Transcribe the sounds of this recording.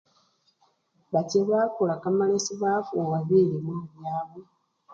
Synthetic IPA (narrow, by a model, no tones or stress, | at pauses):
βateβakulakamalesiβaːfuːŋɡaβilimuiβjaːβu